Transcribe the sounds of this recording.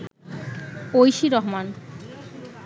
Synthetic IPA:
ojʃiɾɔɦman

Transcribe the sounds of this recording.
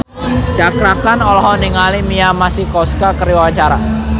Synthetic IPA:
d͡ʒt͡ʃakɾakanɔlɔɦɔniŋalimiamasikɔskakəɾiwat͡ʃaɾa

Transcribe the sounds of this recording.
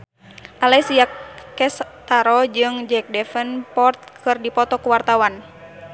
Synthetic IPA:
ʔalɛsiakɛst̪aɾɔd͡ʒɨŋd͡ʒɛk̚dɛfənpɔrt̪̚kʰɨrdipɔt̪ɔkuwart̪awan

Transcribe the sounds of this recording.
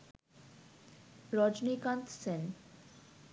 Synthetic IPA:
ɾɔd͡ʒnikãnt̪sen

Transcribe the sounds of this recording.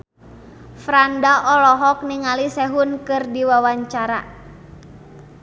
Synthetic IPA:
fɾandaʔɔlɔɦɔk̚niŋalisɛɦunkɨrdiwawaɲt͡ʃaɾa̰

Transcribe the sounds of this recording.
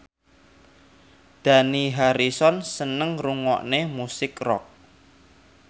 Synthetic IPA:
d̪̥a̤niɦaɾisɔnsənəŋruŋɔ̰ʔnemusɪkrɔk̚

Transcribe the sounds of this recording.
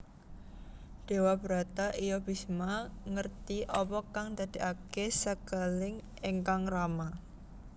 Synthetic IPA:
d̥e̤wabəɾat̪aʔijɔb̥i̤smaŋərt̪iʔɔpɔkaŋt̪ad̪̥i̤ʔakesakəlɪŋ | eŋkaŋrama

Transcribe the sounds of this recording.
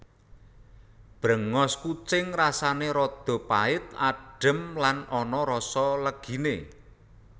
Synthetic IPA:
b̥ɾə̤ŋɔskut͡ʃɪŋrasaneɾɔd̪̥ɔ̤paɪt̪aɖ̥ə̤mlanɔnɔɾɔsɔləɡ̥i̤ne

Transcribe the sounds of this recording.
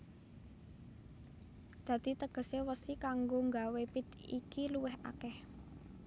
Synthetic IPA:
d̪̥ä̤d̪̥i̤t̪əɡ̥ə̤sewəsikaŋɡoŋɡawepit̪ḭkiluwɪɦa̰kɛh

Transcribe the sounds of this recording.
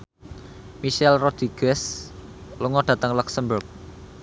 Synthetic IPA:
miʃɛlrɔd̪̥iɡ̥ɛs | luŋɔɖ̥ä̤t̪əŋluksəmbʊrk̚

